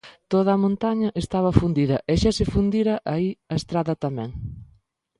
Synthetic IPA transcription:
t̪oðɐːmõnt̪aɲɐʔest̪aβɐfund̪iðɐʔɛʃasɪfund̪iɾɐʔaiɐest̪ɾaðɐt̪amɛ̰̃ŋ

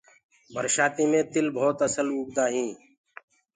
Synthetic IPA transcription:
bʱəɾʃaːt̪iːmẽːt̪ɪlbʱoːt̪əsəluːɡd̪aːɦĩː

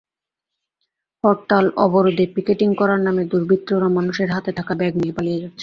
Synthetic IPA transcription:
pɔɾʈalɔ̰boɾod̪ʱepikeʈiŋkɔɾaɾnamed̪uɾbʱit̪ːɾoɾamanuʃeɾɦat̪et̪ʰakabɛɡniepalijed͡ʑat̪ːɕʰe̥

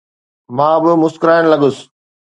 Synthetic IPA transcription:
mãːbɪmʊskɾaːɪñlɐɠʊs

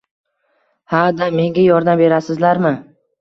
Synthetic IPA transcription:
had̪ame̞ŋɡʲajɒɾd̪ambe̞ɾasɪzlaɾmɪ

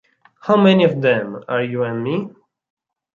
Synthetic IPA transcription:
hawmɛniʌvðɛ̃maɹjuɛ̃nmi

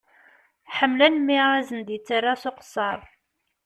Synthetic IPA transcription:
ħəmːlænmːiʁæzənd̪it͡sːərːasoqə̥sˤːɑɾˤ

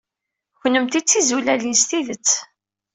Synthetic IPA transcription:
çnəmt̪it͡sːizulælinst̪iðət͡sː

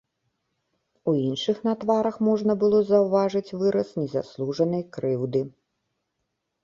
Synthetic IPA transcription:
uinʂɨxnɐt̪vaɾɐxmɔʐnɐbɨlˠɔzɐwvaʐɨt͡sʲvɨɾɐsnʲɛza̰slˠuʐɐnɐjkɾɨwd̪ɨ

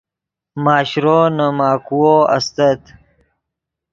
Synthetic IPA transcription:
maːɕɾonəmaːkuwoɐ̰st̪ɐt̪

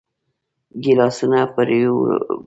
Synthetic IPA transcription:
ɡilɑsunapəɾ

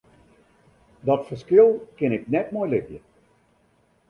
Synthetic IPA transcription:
dɔtfərskɪlˠkɪnɪknɛtmɔjlɪtjə

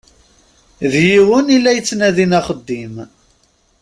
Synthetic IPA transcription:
ðjiwənilːæjət͡sːnæðinɑχəd̪ːim

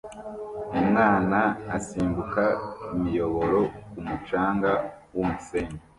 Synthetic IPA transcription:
umŋaːnaasiːmbukaimijo̞βo̞ɾo̞kumut͡ʃaːŋɡawumuseɲe

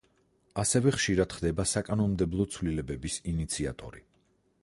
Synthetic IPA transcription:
asɛvɛχʃiɾad̪χd̪ɛbasakʼanɔnmd̪ɛblˠɔt̪sʰvlilɛbɛbisinit̪sʰia̰t̪ʼɔ̰ɾi

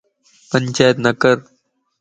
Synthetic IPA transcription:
pənʲt͡ʃaːjt̪nəkəɾ

